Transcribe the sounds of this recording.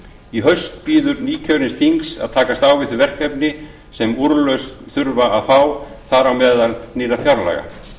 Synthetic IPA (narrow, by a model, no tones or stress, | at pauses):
iɦœɥst̪̚piːðʏɾniːcʰœɾɪnst̪ʰiŋksa̰ðt̪ʰaːkast̪aːwvɪθʏvɛr̥kɛpnɪ | sɛmuɾlœɥst̪θʏɾvaaðfaːwθaɾawmɛːðalnɪːrafjawɾla̰ɣa̰